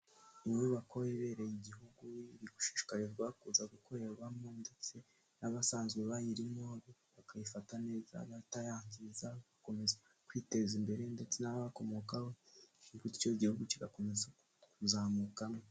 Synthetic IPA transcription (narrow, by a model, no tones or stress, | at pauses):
imuβakoweβe̞ɾejiɟihuɡuiɾiɡu̥ʃiʃi̥kaɾevɡakuzaɡukʰoɾeβamonde̞t͡se̞ | naβasaːnzɡeβajiɾimoɾβakajifatane̞ːza̰βatajaːɲzizaβako̞me̞ze | kwite̞zimbe̞ɾe̞nde̞t͡se̞naβaβako̞mo̞kahoiɡuti̥t͡ʃoiɟihuɡuciɡakomeze | kuzaːmukamo